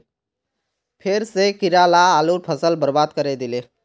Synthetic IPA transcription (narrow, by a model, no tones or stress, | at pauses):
pʰeɾsekiɾalaːlupʰəsəlbəɾbad̪kəɾɛd̪ile